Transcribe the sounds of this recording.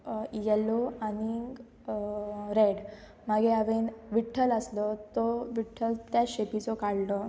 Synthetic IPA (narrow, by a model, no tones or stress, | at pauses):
jɛloaniɡ | ɾeɽ | maɡeaʋenʋiʈʰələslɔt̪ɔʋiʈʰːəlt̪jaɕepit͡sɔkaɽlɔ